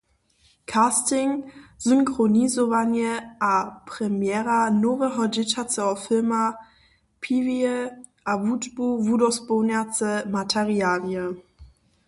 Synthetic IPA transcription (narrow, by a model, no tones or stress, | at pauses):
kʰaːstɪŋz̥ʏŋkʁonizovanjəʔapʁ̥ɛmjɛːʁanovəɦɔdɪtʰat͡səɔfɪlma | pʰiːviə | ʔavutb̥uvudɔsbonɛt͡səmatʰɛʁiaːljə